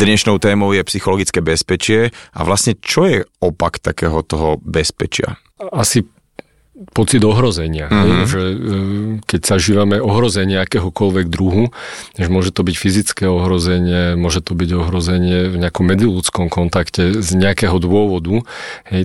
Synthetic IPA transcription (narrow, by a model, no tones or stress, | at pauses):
d̪ɲɛʃnɔʊt̪ɛːmɔʊjɛpsixɔlɔɡit͡skɛːbɛspɛt͡ʃɪɛʔa̰ʋlasɲɛt͡ʃɔjɛɔpakt̪akɛ̰ːɦɔt̪ɔɦɔbɛspɛt͡ʃɪa̰ | asi | pɔt͡sid̪ɔɦɾɔzɛɲɪaɦɛjʒɛ | kɛɟz̥aʒiːʋamɛɔɦɾɔzɛɲɪɛakɛɦɔkɔlʋɛɡd̪ɾuɦuɲɛʒɛmʊɔʒɛt̪ɔbicfizit͡skɛːɔɦɾɔzɛɲɪɛmʊɔʒɛt̪ɔbiɟɔɦɾɔzɛɲɪɛvɲɛakɔmːɛd͡zilut͡skɔmkɔnt̪akcɛzɲɛakɛɦɔd̪ʊɔʋɔd̪uhɛj